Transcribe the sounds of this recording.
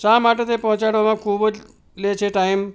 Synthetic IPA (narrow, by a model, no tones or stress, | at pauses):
samaʈet̪epɔ̃ɦɔ̃t͡ʃaɽʋamãkʰubəd͡ʒ | let͡ʃʰeʈaim